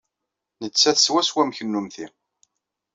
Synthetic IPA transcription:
nət͡sːæθswæswæmçənːumθi

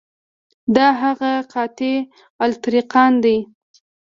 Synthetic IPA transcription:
d̪ɑɦaɣaqʰɑt̪e | alt̪ɾiqɑnd̪aj

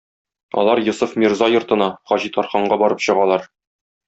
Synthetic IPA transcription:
ɒ̰lˠɑɾjŏsufmʲirzɑjŏɾt̪ɤ̆nɑχɒʑit̪ɒɾχɑɴɢɑbɒɾɤpɕɤ̆ʁɑlˠɑɾ

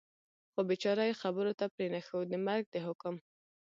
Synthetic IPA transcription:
xobet͡ʃɑɾajxabəɾot̪apɾenaxəwd̪əmaɾɡ̚d̪əɦʊkʊm

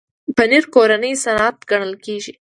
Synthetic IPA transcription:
pəniɾkoɾanəjsanat̪ɡaɳəlkeʒi

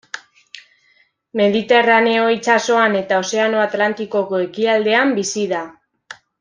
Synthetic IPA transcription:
me̞ðit̪e̞rane̞o̞it͡ʃaso̞ane̞t̪ao̞se̞ano̞at̪lant̪iko̞ko̞e̞kiald̪e̞ambisiða

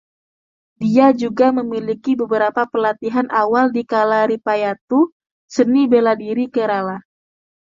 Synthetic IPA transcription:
diad͡ʒuɡaməmilikibəbəɾapapəlat̪iɦanʔawaldikalaɾipajat̪u | sənibeladiɾikəɾala

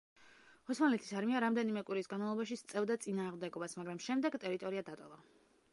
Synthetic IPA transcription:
hɔsmanlɛt̪ʰi̥saɾmiaɾamd̪ɛnimɛkʼwiɾisɡanmavlˠɔbaʃ̬ist̪sʼɛvd̪at̪sʼinaːʁmd̪ɛɡɔbasmaɡɾamʃɛmd̪ɛɡt̪ʼɛɾit̪ʼɔɾiad̪at̪ʼɔlˠa

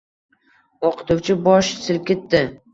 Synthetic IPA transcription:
oqʰɨ̥t̪ʊwt͡ʃʰɪbɒʃsɪl̚ʲkʲet̪ːɪ

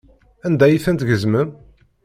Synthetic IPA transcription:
ænd̪æjiθænt̪ʝəzmən

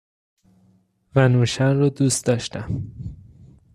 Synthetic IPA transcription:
vænuːʃænrɒd̪uːst̪d̪ɒːʃt̪æm

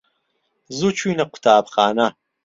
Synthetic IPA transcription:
zut͡ʃʰujnɐqʰʷʊ̥tʰaːpχaːnɐ

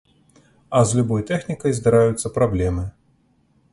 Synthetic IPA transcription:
ɐzlʲubɔjt̪ɛxnʲikɐjzd̪aɾajut̪sːɐpɾablʲɛmɨ

